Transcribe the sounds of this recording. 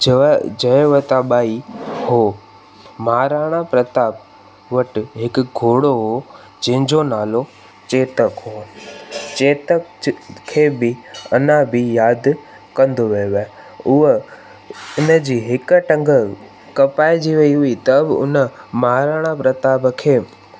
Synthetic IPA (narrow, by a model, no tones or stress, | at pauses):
d͡ʑɐʋət̪aɓaːihoː | maɦaɾaːɽ̃apɾɐt̪aːp̚ | ʋɐʈɪɦɪkɡʱoːɽoɦo | d͡ʑɐ̃ɦɪ̃ɲd͡ʑonaːlo | t͡ɕeːt̪əkɦoː | t͡ɕeːt̪əkkʰːeːbɪɐnãbɪjaːd̪ | kɐ̃nd̪oʋejoʋa | ʊɦə | ʊnəd͡ʑiːɦɪkʈɐ̃ŋɡə | kɐpaːɪd͡ʑiʋɐiɦʊit̪ɐbɪʊ̰nəmaɦaɾaːɽ̃apɾɐt̪aːbkʰeː